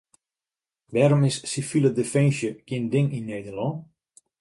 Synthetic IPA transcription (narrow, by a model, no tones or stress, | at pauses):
ʋɛɾomɪsːifilədəfɛ̃nʃjəɡ̥jɪndɪŋinːeːdəlɔ̃ː